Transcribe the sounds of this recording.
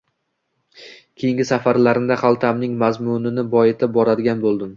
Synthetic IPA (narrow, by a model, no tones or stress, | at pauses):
kʲʰejɪŋɡʲɪsafaɾlaɾɪnd̪aχalˠt̪ʰamnɪŋmazmʊnɪnɪbɒjɪt̪ʰabɒɾad̪ɪɡʲanbolˠd̪ɪm